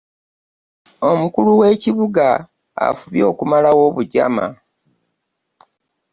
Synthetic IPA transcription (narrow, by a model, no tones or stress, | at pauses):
o̞mukuluwe̞ːciβuɡa | a̰fuβjo̞ːkumalawo̞ːβuɟa̰ma̰